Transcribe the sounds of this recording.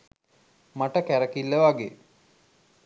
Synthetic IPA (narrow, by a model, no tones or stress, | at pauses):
maʈəkæɾəkilːəʋaɡḛ